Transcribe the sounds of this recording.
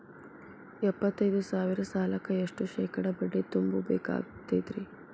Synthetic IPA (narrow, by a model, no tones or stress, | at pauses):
ɛpːɐt̪ːɐjd̪usaːʋiɾɐsaːlɐkɐeʂʈuʃɛːkɐɽɐbɐɖːit̪umbubɛ̰ːka̰ːɡt̪ed̪ɾi